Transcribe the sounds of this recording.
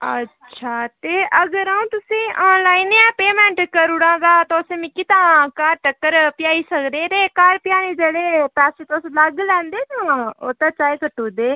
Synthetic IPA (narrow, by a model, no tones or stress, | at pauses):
ə̰tːʃʰaːt̪eːʔəɡəɾaũːt̪ʊsẽːʔaːnlaːɪneãːpeːmɛ̃ːɳʈkəɾuɽãːd̪aːt̪oʊsẽːmɪkit̪ãːkaːɾʈəkːəɾpɪjaːiːsəkd̪eːt̪eːkaːɾpɪjaːnẽːd͡ʒeːɽeːpɛːset̪oːsləɡlɛ̃ːnd̪eːt̪ãoːt̪ãt͡ʃaːekəʈuːd̪eː